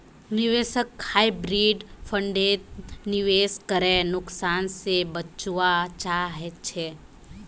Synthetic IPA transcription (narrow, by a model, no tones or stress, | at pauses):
nɪʋeːʃəkhaːibɾiːɖpʰə̃ɳɖeːt̪̚nɪʋeːskəɾenʊksaːnsebət͡ʃʋat͡ʃaːɦɛt͡ʃʰe